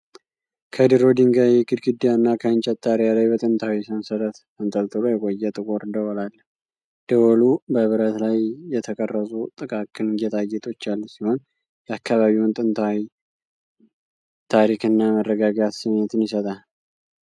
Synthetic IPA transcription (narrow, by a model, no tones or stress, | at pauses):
kʰəd̪iɾo̞d̪iŋɡajɛɡɨd̪ɡɨd̪ːijanːakʰəɨnt͡ʃʼət̪ʼːaɾijalajbət̪ʼɨnt̪ʰawisɨnsəɾət̪ | ɨnt̪ʼəlt̪ʼɨlojɛkʼojːɛt̪ʼɨkʼoɾɨnd̪əwɔlalːə | d̪̥əwɔlubəβɨɾət̪lajːɛt̪ʰəkʼərːəsʼut̪ʼɨkʼakʰɨnjɛt̪ʰajːɛt̪ʰʼo̞t͡ʃːalːusiho̞n | jɛakʰːaβaβiwnt̪ʼɨnt̪ʰawi | t̪ʰaɾikʰɨnːamərːəɡaɡat̪siɲɛt̪ʰɨnjɪsət̪ʼal